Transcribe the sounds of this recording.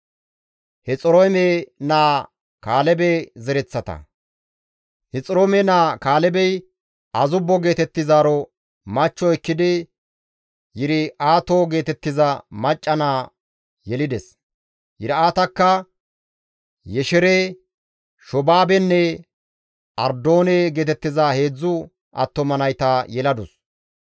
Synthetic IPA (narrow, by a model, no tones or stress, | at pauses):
hɛt͡sʼɔɾojmenaː | kaːlɛbɛzɛɾɛt͡sːɐt̪ɐ̰ | hɛt͡sʼɪɾomɛnaːkaːlɛbɛj | ʔɐzʊbːɔɡe̞ːt̪ɛt̪ːɪzaːɾɔ | mɐt͡ʃːɔɛkːɪd̪ɪ | jɪɾɪaːt̪oːɡe̞ːt̪ɛt̪ːɪzɐmɐt͡ʃʼːɐnaː | jɛlɪd̪ɛs | jɪɾaːt̪ɐkːɐ | jɛʃɛɾe | ʃɔbaːbɛnːɛ | ʔɐɾd̪o̞ːneɡe̞ːt̪ɛt̪ːɪzahe̞ːd͡zːʊ | ʔɐ̰t̪ːɔmɐnɐjt̪ajɛlɐd̪ʊs